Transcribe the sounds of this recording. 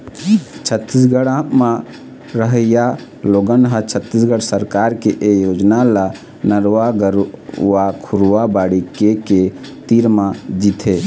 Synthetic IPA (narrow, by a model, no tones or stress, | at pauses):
t͡ʃʰət̪ːisɡəɽãmã | ɾəɦəja | loɡənɦət͡ʃʰət̪ːisɡəɽsəɾkaɾkeʔejod͡ʒnala | nəɾʋaɡəɾʋakʰuɾʋabaɽikeket̪iɾmãd͡ʒit̪ʰe